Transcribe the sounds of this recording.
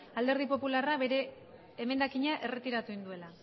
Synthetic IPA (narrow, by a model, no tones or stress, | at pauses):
ald̪e̞ɾð̞ipo̞pularaβe̞ɾe̞ː | me̞nd̪akiɲaʔe̞re̞t̪iɾat̪uind̪ue̞la